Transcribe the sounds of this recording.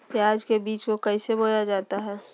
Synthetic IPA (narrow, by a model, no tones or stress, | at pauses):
keaːd͡ʒkebiːt͡ʃkokɐɪseboːɾad͡ʒaːt̪aɦɛː